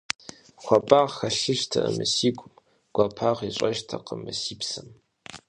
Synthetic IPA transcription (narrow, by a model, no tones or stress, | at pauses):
xʷɐpʼaːʁxɐɬɨʃtʰɐʔəmɨsiːkʷʼʊm | ɡ̥ʷɐpʰaːʁiɕʷʼɐʒtʰɐqəmɨsiːpsɨm